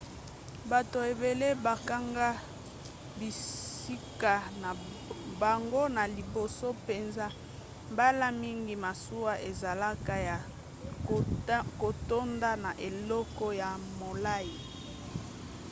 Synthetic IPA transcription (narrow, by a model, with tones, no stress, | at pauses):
ba˨to˨e˨be˨le˦ba˨ka˦ŋɡa˦ | bi˨si˦ka˨na˨ | ba˨ŋɡo˦na˨li˨bo˨so˦pe˨nza˦ | ba˦la˦mi˦ŋɡi˨ma˨su˦wa˦ʔe˨za˨la˦ka˦ja˨ | ko˨to˦nda˦na˨ʔe˨lɔ˦kɔ˦ja˨mo˨la˦ji˨